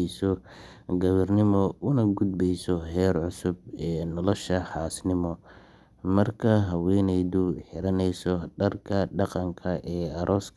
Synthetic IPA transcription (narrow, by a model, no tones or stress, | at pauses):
sɔ | ɡɐβɐrnɪmɔʔʊnɐɡʊd̪̚bɛjsɔɦɛːrʕʊsʊbɛːnɔlɔʃɐħɑːsnɪmɔ | mɐrkʰɐɦɐwɛnɛjðʊħɪɾɐnɛjsɔɖɐrkʰɐɖɑqɑŋkʰɐʔɛːɐɾʔɔːskʰ